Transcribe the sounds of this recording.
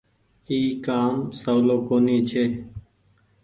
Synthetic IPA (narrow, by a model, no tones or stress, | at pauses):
iːkaːmsoːloːkoːniːt͡ʃʰeː